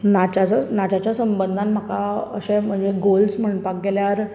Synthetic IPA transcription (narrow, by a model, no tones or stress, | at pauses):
nat͡ɕat͡snat͡ɕat͡ɕjasəmbənd̪ʱanm̤akaə̰ɕẽm̤əɳd͡zeɡolsm̤əɳpak̚ɡeljaɾ